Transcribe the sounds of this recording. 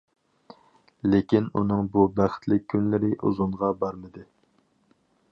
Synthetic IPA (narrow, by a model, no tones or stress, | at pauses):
lekʲinṵnɨŋbubæχɪ̥t̪ʰlɪk̚ʲʰːynlɪɾɪʔṵzuɴʁɑbɑɾmɨd̪ɨ